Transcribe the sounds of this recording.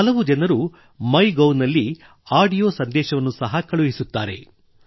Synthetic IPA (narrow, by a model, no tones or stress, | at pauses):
ɐlɐʋud͡ʒɐnɐɾu | mɐjɡɐwnɐlːi | aːɖijo̞ːsɐnd̪ɛːʃɐʋɐnːusɐɦɐkɐɭuɦisut̪ːaːɾe̞̰